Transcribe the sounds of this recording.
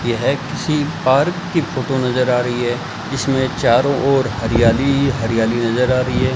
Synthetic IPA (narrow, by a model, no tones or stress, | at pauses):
jeɦɛkɪsipaːɾkːifoːʈonɐzəɾaːɾɐɦiɦɛː | d͡ʒɪsmẽt͡ʃaːɾõʔɔːɾɦɐɾijaːliɦɐɾijaːlinɐzəɾaːɾɐɦiɦɛː